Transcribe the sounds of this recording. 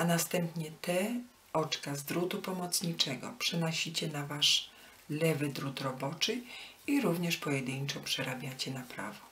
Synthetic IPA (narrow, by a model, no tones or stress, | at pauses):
anast̪ɛmpɲɛt̪ɛ | ɔt͡ʂkazd̪ɾut̪upɔmɔt̪sɲit͡ʂɛɡɔ̰pʂɛnɔɕit͡ɕɛnavaʂ | lɛvɘd̪ɾut̪ɾɔbɔt͡ʂɘiɾuvɲɛʂpɔjɛd̪ɘɲt͡ʂɔpʂɛɾabʲjat͡ɕɛnapɾa̰vɔ